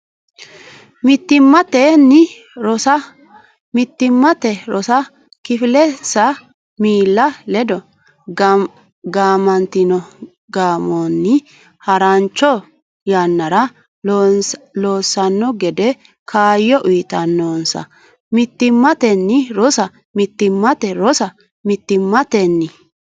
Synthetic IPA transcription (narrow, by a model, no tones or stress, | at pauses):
mɪt̪ːɪmːɐt̪ɛnːɪ | ɾɔsɐ | mɪt̪ːɪmːɐt̪ɛɾɔsɐ | kɪfɪlɛsɐ | miːlːɐlɛd̪ɔ | ɡaːmɐnt̪ɪnɔ | ɡaːmɔnːɪ | hɐɾɐnt͡ʃːɔ | janːɐɾɐ | loːsːɐnːɔɡɛd̪ɛ | kʰaːjːɔʔʊjt̪ɐnːɔnsɐ̰ | mɪt̪ːɪmːɐt̪ɛnːɪɾɔsɐ | mɪt̪ːɪmːɐt̪ɛɾɔsɐ | mɪt̪ːɪmːɐt̪ɛnːɪ